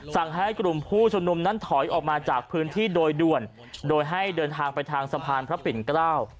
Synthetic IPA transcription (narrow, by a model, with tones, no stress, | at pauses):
sa˨˩ŋɦa˦˥˩jkɾu˨˩mpʰuː˥˩t͡ɕʰu˧nu˧mna˦˥nt̪ʰɔ˩˦jʔɔː˨˩k̚maː˧t͡ɕaː˨˩k̚pʰɯː˦˥nt̪ʰiː˥˩doː˧jdu˨˩ən | doː˧jɦa˥˩jdɤː˧nt̪ʰaː˧ŋpa˧jt̪ʰaː˧ŋsa˧pʰaː˧npʰɾa˦˥pi˨˩˦nkɾaː˥˩w